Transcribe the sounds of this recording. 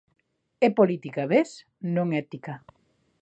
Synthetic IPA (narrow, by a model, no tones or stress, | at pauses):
epolit̪ikaβes | nõŋɛt̪ika